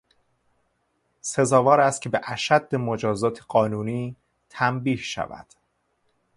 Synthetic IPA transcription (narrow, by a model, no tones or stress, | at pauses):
se̞zɒːvɒːɾæst̪̚cʰe̞beʔæʃæd̪ːemod͡ʒɒːzɒːt̪ʰeɢɒːnuːniː | t̪ʰæmbiːhʃæ̰væ̰d̪̥